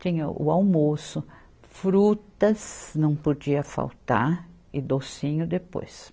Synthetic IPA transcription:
t͡ʃĩɲɐʔʊ̰awmosʊ | fɾut̪ɐznɐ̃w̃pod͡ʒiɐfa̰wt̪a̰ɾ | ɪd̪osĩɲʊd̪epo̰js

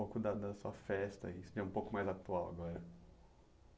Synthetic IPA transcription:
okʊd̪ɐd̪ɐsuɐfɛst̪ɐ̰isd͡ʒɐũpokʊmajzat̪uawa̰ɡɔɾɐ

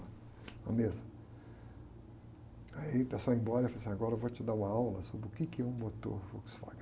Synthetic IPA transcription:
ɐ̰mezɐ | aipasoẽj̃bɔɾɐefalesĩaɡɔɾɐevot͡ʃɪd̪aũmɐawlɐsobɾɪʊkɪkɪɛũmot̪o̰ɾvoksfa̰ɡ

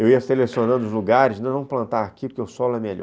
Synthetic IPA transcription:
ewiɐselesionɐ̃nd̪ʊzluɡaɾɪznɐ̃w̃nɐ̃w̃plɐ̃nt̪aɾakiʊkeʊsɔlʊɛmeʎɔ̰

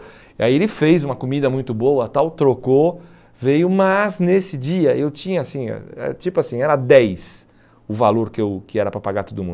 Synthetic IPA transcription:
ia̰ielɪfejzũmɐkomid̪ɐmũj̃t̪ʊboɐt̪awt̪ɾoko | vejʊmɐznesɪd͡ʒiɐewt͡ʃĩɲɐasḭ̃ɛ̰t͡ʃipʊasĩɛɾɐd̪ɛjs | ʊvaloɾkɪewkɪɛɾɐpɾɐpaɡaɾt̪od̪ʊmũnd̪

